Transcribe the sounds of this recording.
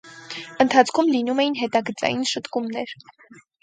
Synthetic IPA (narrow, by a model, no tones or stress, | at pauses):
ənt̪ʰɑt͡sʰkʰumlinumɛjinɦɛt̪ɑɡət͡sɑ̰jinʃət̪kumnɛɾ